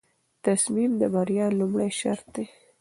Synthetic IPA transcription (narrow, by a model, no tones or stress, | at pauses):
t̪asmimd̪əbaɾjɑlumɽajʃa̰ɾt̪̚d̪e